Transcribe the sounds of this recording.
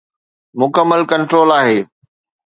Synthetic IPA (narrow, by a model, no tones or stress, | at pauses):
mʊkəmːəlkɐ̃ɳʈɾoːlaːɦeː